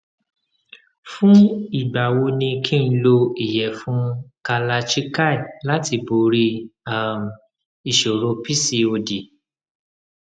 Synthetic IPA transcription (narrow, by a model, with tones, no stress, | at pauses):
fũ˦i˨ɡ͡ba˨wo˧nĩ˧kʰĩ˦n̩˧˦lo˧i˨jɛ˨fũ˦ka˧la˧t͡ʃi˦ka˦˨i˨la˦ti˧bo˨˦ɾi˧a˦˨m | i˨ʃo˨ɾo˧pi˦si˧o˧di˨